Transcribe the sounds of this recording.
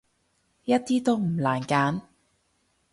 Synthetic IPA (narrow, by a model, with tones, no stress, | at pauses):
jɐ˥t̚t̪iː˥t̪o˥wm̩˨˩laː˨˩nkaː˨˥n